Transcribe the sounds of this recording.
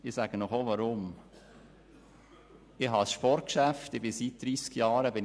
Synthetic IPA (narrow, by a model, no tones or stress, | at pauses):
ɪsæɡ̥ənɔχoʋɑɾʊm | ɪɦɑsʃpɔɾt̚kʃæftɪb̥ɪsit̚d̥̪ɾiːskjɑːɾəbɪn